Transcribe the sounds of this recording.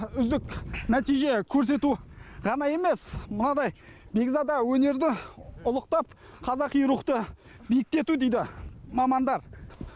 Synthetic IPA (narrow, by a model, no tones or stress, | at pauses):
ʏzd̪ɪkʲnæt̪ijʒe̞kʲʰɵɾs̬e̞t̪uʁɑnɑje̞me̞smənɑd̪ɑjbe̞ɡʲzɑd̪ɑwɵne̞ɾd̪ɪʊlˠəqt̪ɑp̚ | qʰɑzɑqijɾuqt̪ə | bijɪk̚t̪e̞t̪ud̪ejd̪ɪmɑmɑnd̪ɑɾ